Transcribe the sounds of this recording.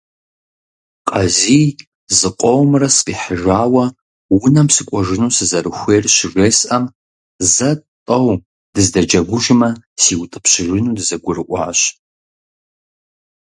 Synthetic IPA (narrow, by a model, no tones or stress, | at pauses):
qʼɐziː | zɨqʷʼɔwmrɐsqiːħəʒʷaːwɐ | wʊnɐmsɨkʷʼɔʒɪnuːsɨzɐɾɨxʷeːrɕɪresʔɐm | zɐtʼɐw | d̥ɨzdɐd͡ʒɐɡʷʊʒɪmɐsiːwtʼɨ̥pɕɪʒɪnuːdɨzɐɡʷʊrɨʔʷʼɑ̰ːɕ